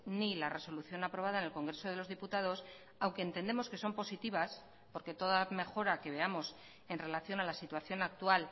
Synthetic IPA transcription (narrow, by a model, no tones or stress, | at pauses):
nilare̞so̞luθjo̞napɾo̞β̞aðaenelko̞ŋɡɾe̞so̞ðelo̞zðiput̪að̞o̞s | awŋkeːnt̪e̞nd̪e̞mo̞ske̞so̞mpo̞sit̪iβ̞as | po̞ɾke̞t̪o̞ðame̞xo̞ɾake̞β̞e̞amo̞s | e̞nre̞laθjo̞nalasit̪waθjo̞nak̚t̪ual